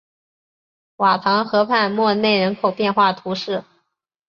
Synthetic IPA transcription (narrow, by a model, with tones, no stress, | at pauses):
wa˨˩t̪ʰɑ˧˥ŋxɤ˧˥pʰa˥˧ɪmwɔ˥˧ne˥˩ɪɻə˧˥nkʰo˨˩ʊpjɛ˥˧nxwa˥˩t̪ʰu˧˥ʂɻ̩˥˩